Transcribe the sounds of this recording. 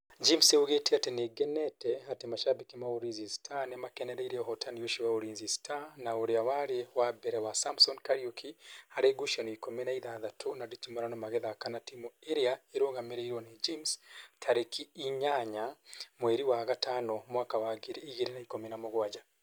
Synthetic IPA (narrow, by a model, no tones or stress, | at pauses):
d͡ʒimseuɣetiateneɡeneteɦatemaʃabikimauɾinzistʰanemakeneɾaiɾeoɦotanjoʃiwauɾiːnzistʰanaoɾiawaɾewabeɾewasamsonkaɾjukʰihaɾeɡuʃonikomenaiðaːðatonaditimoɾanomaɣeðakanatimueɾiaeɾoɣamiɾeiɾoned͡ʒimstʰaɾekʰiːɲaɲamweɾiwaɣataːnomwaːkawaɡiɾeiɣiɾenaikomenamoɣwad͡ʒa